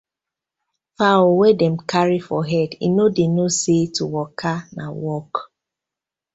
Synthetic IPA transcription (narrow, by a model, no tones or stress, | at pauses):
fawwɛdɛmkʰaɹifɔɦɛdḭnodenosetuwɔkʰanawɔk